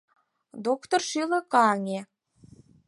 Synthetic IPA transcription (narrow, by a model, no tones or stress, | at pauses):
d̪okt̪orʃilə̆kɑŋʲe